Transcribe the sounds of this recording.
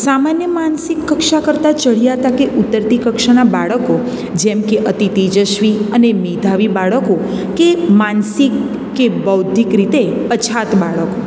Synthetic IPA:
samanjəmansikːəkʃakəɾt̪at͡ʃəɭijaɦət̪akeʔut̪ːəɾt̪ikəkʃanabaɭəko | d͡ʒɛmkeʔət̪it̪id͡ʒəʃʋiənemid̪ʱaʋibaɭəko | kemansikː | ebəwd̪ʱikɾit̪epət͡ʃʰat̪baɭəko

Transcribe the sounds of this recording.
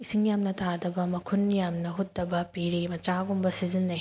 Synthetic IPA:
isiŋjamnɐtʰadɐbɐmɐkʰunjamnɐɦut̚dɐbɐpiɾimɐt͡ʃaɡumbɐsizinːɐj

